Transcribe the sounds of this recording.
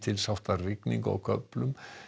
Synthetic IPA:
t̪ʰɪlsawht̪arɪkniŋkɔ̰ɣkʰœplʏm

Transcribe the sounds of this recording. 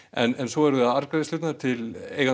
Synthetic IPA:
ɛnɛnsɔɛɾðʏðaðaɾkɾaðɪst̪ʏːt̪naɾt̪ʰɪleːjɣa

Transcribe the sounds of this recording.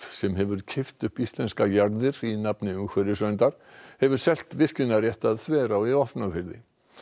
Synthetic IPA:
sɛmɦɛvʏɾcʰɪft̪ʏhpist̪lɛnskajaɾðɪɾinapnɪʏmkʰɛɾɪsœnt̪aɾ̥hɛvʏɾ̥sɛl̥t̪vɪr̥cʏnːaɾjɛht̪aðθvɛːɾawiɔfpnafɪɾðɪ̰

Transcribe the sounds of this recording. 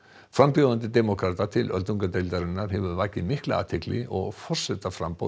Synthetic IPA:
fɾampjowðant̪ɪt̪ɛmɔkʰɾat̪at̪ʰɪlʔœ̰lt̪uŋkat̪ejlt̪aɾɪnːaɾ̥ɦɛvʏɾvaːcɪmɪhklɪa̰ːt̪ʰɪklɪʔɔɣfɔr̥sɛt̪afɾa̰mpo̰

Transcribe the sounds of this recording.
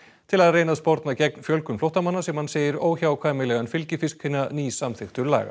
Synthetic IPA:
t̪ʰɪlaðreːjnaðspɔɾt̪nacɛk̚nfjœlkʏmflowht̪amanːasɛmhanseːjɪɾoːwçawkʰvaːjmɪlɛɣanfɪlcɪfɪskhɪnːaniːsamθɪxt̪ʏɾla̰ːɣa̰

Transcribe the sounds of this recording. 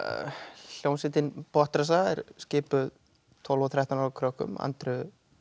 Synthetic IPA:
ljownsɪt̪ɪnpɔht̪ɾas̬aɛɾ̥scɪːpʏð | t̪ʰɔlvɔθɾɛht̪anakʰɾœhkʏ̰ma̰nt̪ɾʏ

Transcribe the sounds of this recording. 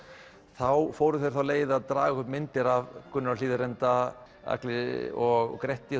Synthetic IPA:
θawfoːwɾʏθejɾ̥θawleːjðaðt̪ɾaːɣahʏpmɪnt̪ɪɾavkʏnːaɾaliːðʏɾɛnt̪a | a̰klɪɔɣ̰kɾɛht̪ːɪ

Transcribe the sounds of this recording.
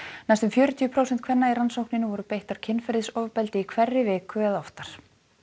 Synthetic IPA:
najst̪ʏmfjœːɾʏt̪ʰiːʏpʰɾowsɛnt̪kʰvɛnːaiɾansowknɪnɪvɔɾʏpejht̪aɾ̥cʰɪnːfɛɾðɪsɔvʏpɛlt̪ɪikʰvɛrːɪvɪːkʏɛðɔft̪aɾ̥

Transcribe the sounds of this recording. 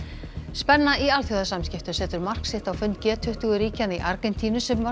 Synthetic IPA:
spɛnːaialθjʏðasamscɪft̪ʏsɛːt̪ʏɾmar̥ksɪht̪awfʏnt̪̚cɛːt̪ʰʏht̪ʏɣʏɾiːcaniʔaɾkɛnt̪ʰiːnʏsɛmva

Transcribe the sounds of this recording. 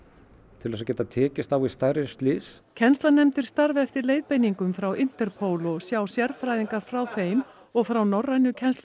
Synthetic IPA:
t̪ʰɪlɛːs̬acɛːt̪at̪ʰɛːcɪst̪awist̪ajɾɪst̪lɪs | cʰɛnst̪lanɛmt̪ɪɾ̥st̪aɾvɛft̪ɪɾleːjðpejniŋkʏmfɾawɪn̥t̪ɛɾpʰowlɔsjawsjɛɾfɾajðiŋkaɾ̥fɾawθejm | ɔɣfɾawnɔrːajnʏcʰɛnst̪la

